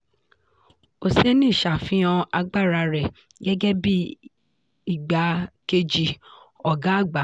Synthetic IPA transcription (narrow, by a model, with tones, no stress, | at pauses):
o˨se˦nĩ˦˨ʃa˨fĩ˦ɔ̃˧a˧ɡ͡ba˦˨ɾa˧ɾɛ˨ | ɡɛ˦ɡɛ˦bi˦ | i˨ɡ͡ba˨ke˧d͡ʒi˧ | ɔ˨ɡa˨˦˨ɡ͡ba˨˦